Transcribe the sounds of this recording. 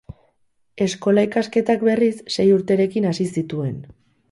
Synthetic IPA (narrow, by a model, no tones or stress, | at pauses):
e̞sko̞laikaske̞t̪akbe̞risːe̞juɾt̪e̞ɾe̞kinasisit̪ue̞n